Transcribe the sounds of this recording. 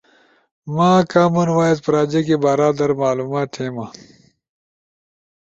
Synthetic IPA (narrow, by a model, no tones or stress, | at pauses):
mãːkaːmunwaːjet̪pɐɾaːd͡ʑekebaɾaːd̪ɐɾmaːluːmaːt̪heːma